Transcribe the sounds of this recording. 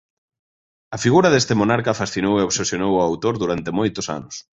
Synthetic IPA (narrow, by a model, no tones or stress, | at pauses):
ɐfiɣuɾɐðest̪emonaɾkɐfasθinoweoβsesjonowawt̪oɾðuɾant̪emojt̪ʊsa̰nʊs